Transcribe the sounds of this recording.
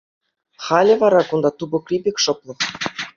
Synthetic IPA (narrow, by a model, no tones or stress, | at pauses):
χɑlʲɘ̆vɑɾɑkund̪ɑt̪ubŏkrʲibʲekʲʃŏplˠɤ̆